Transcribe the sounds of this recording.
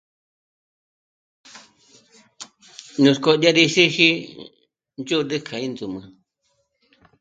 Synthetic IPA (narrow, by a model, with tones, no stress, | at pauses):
nũ˧sko˦ja˦ɾi˧ʃi˦hi˦ | nd͡ʒu˦˧dɨ˦kʰa˨ĩ˦nd̪u˨mã̰˨